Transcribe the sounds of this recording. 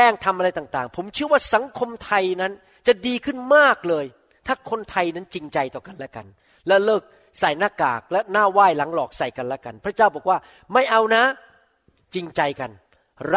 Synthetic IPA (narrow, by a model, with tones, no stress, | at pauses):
ɛː˥˩ŋt̪ʰa˧mʔa˧ɾa˧jt̪aː˨˩ŋt̪aː˨˩ŋpʰo˩˦mt͡ɕʰɯ˥˩ɐwaː˥˩sa˨˩˦ŋkʰo˧mt̪ʰa˧jna˦˥n | t͡ɕa˨˩diː˧kʰɯ˥˩nmaː˥˩k̚lɤː˧j | t̪ʰaː˥˩kʰo˧nt̪ʰa˧jna˦˥nt͡ɕi˧ŋt͡ɕa˧jt̪ɔː˨˩ka˧nlɛ˦˥ka̰˧n | lɛ˦˥lɤː˥˩k̚ | sa˨˩jnaː˥˩ka̰ː˨˩k̚lɛ˦˥naː˥˩waː˥˩jla˨˩˦ŋlɔː˨˩k̚sa˨˩jka˧nlɛ˦˥ka˧npʰɾa˦˥t͡ɕaː˥˩wbɔː˨˩k̚waː˥˩ | ma˥˩jʔa˧wna˦˥ | t͡ɕi˧ŋt͡ɕa˧jka˧n | ɾ